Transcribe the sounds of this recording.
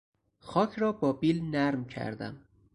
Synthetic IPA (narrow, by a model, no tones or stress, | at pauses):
xɒːkʰɾɒːbɒːbilnæɾmcʰæ̰ɾd̪æ̰m